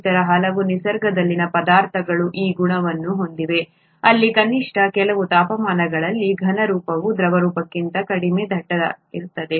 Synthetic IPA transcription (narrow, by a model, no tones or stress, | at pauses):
t̪ɐɾɐɦɐlɐʋunisɐɾɡɐd̪ɐlːinɐpɐd̪aːɾt̪ʰɐɡɐɭuʔiːɡuɳɐʋɐnːuɦo̞nd̪iʋe̞ | ɐlːikɐniʂʈʰɐkɛlɐʋut̪aːpɐmaːnɐɡɐɭɐlːiɡʱɐnɐɾuːpɐʋud̪ɾɐʋɐɾuːpɐkːint̪ɐkɐɽimed̪ʱɐʈːɐdɐ̰ḭɾut̪ːɐd̪e̞